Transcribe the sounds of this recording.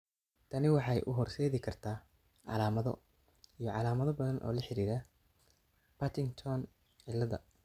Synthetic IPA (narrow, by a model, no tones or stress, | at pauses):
t̪ʰɐnɪwɑħɑjʔʊɦɔrsɛːðɪkʰɐrt̪ʰaː | ʕɑ̰laːmɐðɔ̰ | ijɔʕɑlaːmɐðɔbɐðɐnʔɔ̰ːlɐħɪɾiːɾɐ | pʰɐt̪ʰɪŋt̪ʰɔn | ʕɪlːɐðɐ̰